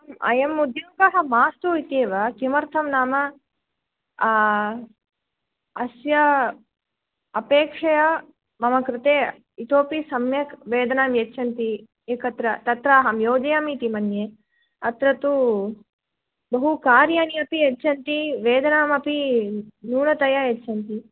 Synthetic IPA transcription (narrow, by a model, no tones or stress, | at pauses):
mɐ̰jɐmːud̪ʱjɐmkɐɦɐmaːst̪uit̪eːʋɐkimɐɾt̪ʰɐmnaːmɐ | sjɐ | ɐpeːkʂɐjɐ | mɐmɐkɾɪt̪eː | it̪oːpisɐmjɐkʋeːd̪ɐnaːmjɐtːʃʰɐnt̪i | eːkɐt̪ɾɐt̪ɐt̪ɾaːɦɐmjoːd͡ʒɐjaːmit̪imɐnjeː | ɐt̪ɾɐt̪u | bɐɦukaːɾjaːniɐpiɐt͡ʃːt͡ʃʰɐnt̪iʋeːd̪ɐnaːmɐpinuːnɐt̪ɐjajet͡ʃːʃʰɐnt̪i